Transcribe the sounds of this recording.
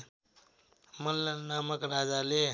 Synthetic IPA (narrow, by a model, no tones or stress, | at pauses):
məlːanaməkɾad͡zale